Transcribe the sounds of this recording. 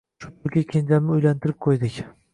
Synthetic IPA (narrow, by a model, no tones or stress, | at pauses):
ʃʊ̥poɾkʲakʲʰend͡ʒʰalnɪʊjlant̪ʰɪɾɪp̚qʰojd̪ɪkʲ